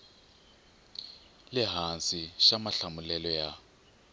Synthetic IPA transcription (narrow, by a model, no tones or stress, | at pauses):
lɪɦansiʃamaɬamulɛlɔja